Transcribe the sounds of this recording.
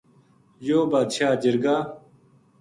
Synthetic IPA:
joːbaːd̪ʃaːd͡ʑɐɾɡaː

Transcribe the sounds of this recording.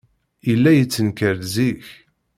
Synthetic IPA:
ilːæjət͡sːənkəɾziç

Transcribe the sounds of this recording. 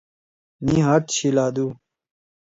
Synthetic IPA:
nĩɦat̪ɕilaːd̪uː

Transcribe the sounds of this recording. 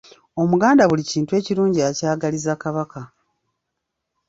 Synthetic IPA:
o̞muɡaːndaβuliciːntue̞ːciɾuːɲɟiacaːɡalizakaβaka

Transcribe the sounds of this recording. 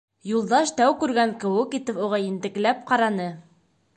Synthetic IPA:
julˠd̪ɑʃt̪æwkʉɾɡæŋkɘ̆wɘkit̪ɘpuʁɑjɘ̆nt̪ɘ̆klæp̚qɑɾɑnɤ

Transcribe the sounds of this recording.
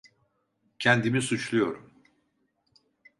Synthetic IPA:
cʰɛnd̪imisut͡ʃlˠujo̞ɾum

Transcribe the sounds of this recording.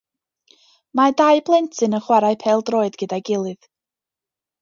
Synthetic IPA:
madaɨblˠɛntʰɨnəχwaɾaɨpʰɛːlˠdroːɨdɡ̥ədaɡɪlˠɨð̥

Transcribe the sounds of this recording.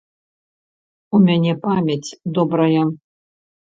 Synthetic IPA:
umʲanʲɛpamʲɐt͡sʲd̪ɔbɾɐjɐ

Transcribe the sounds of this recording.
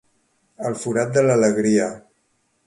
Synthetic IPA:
əlˠfuɾat̪̚d̪ələləɣɾiə

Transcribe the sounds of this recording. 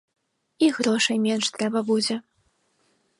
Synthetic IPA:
iɣɾɔʂɐjmʲɛnʂt̪ɾɛbɐbud͡zʲɛ

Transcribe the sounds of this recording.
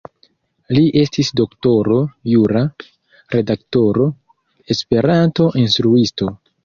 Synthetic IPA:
liʔe̞stisdo̞kto̞ɾo̞juɾa | ɾe̞dakto̞ɾo̞ | e̞spe̞ɾanto̞ʔinstɾuisto̞

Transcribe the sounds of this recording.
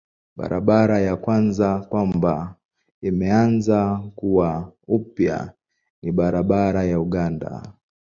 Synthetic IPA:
ɓa̰ɾaɓaɾajakwanzakwamba | imɛanzakuwaupja̰ | niɓaɾaɓaɾajauɠanda̰

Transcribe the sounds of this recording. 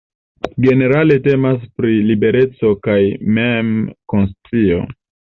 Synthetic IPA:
ɡe̞ne̞ɾale̞te̞mas̬pɾilibe̞ɾe̞t͡so̞kajmemkonst͡sio̞̰

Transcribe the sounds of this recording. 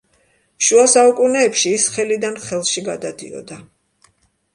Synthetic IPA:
ʃuasaukʼunɛːpʃiːsχɛlid̪anχɛlˠʃiɡad̪ad̪ḭɔ̰d̪a

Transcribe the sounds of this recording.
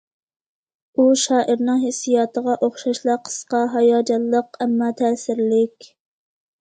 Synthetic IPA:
uʃɑːʔəɾnɨŋɦesːijɑːt̪ʰəʁɑʔoχʃɑʃlˠɑqʰə̥sqɑɦɑjɑːd͡ʒɑlˠːəqɛmːɑːt̪ʰɛːsɪɾlɪkʲ

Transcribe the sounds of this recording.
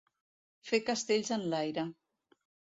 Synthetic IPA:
fekəst̪eʎzənlajɾə

